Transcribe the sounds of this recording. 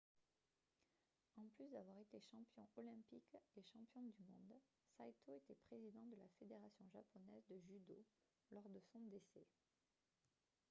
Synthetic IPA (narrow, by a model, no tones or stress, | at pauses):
ɑ̃plysd̪avwaʁet̪eʃɑ̃pjɔ̃ɔlɛ̃pikeʃɑ̃pjɔ̃d̪ymɔ̃d̪ | sat̪oet̪ɛpχezid̪ɑ̃d̪əlafed̪eʁasjɔ̃ʒapɔnɛzd̪əʒyd̪o | lɔʁd̪əsɔ̃d̪esɛ